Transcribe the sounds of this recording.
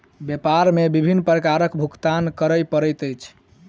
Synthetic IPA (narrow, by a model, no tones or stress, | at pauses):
bjepaɾmebibʱinːpɾəkaɾəkbʱukt̪ankəɾəjpəɾəjt̪əjt͡ʃʰ